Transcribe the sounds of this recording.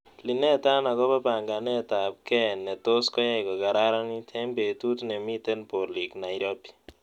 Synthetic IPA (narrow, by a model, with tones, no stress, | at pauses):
li˨nɛ˦ta˦na˨kɔ˦pa˦pa˨ŋɡa˨nɛ˦ta˨p̚kɛ˦˨nːɛ˨to˦skɔ˦ja˦ɪkɔ˨ka˨ɾa˦ɾa˦ni˦tʰɛ˦mbe˨tu˦tnɛ˨mi˦te˦npo˨li˨kna˨i˨ɾo˦pi̥˦